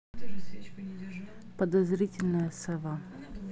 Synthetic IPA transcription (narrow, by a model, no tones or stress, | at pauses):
pəd̪ɐzɾʲitʲɪlʲnəjəsɐva